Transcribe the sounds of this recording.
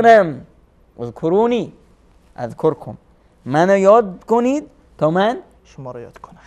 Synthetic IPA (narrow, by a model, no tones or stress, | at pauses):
næm | ozkʰoɾuːni | æ̰zkʰoɾkʰo̰m | mænɔjɒːd̪̚konid̪̚ | t̪ʰɔːmæn | ʃmɾjd̪kʰon